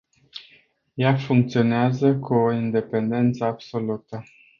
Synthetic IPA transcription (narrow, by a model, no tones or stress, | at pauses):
jafuŋk̚t̪sio̞neazəkuoind̪e̞pe̞nd̪e̞nt̪səab̥so̞lut̪ə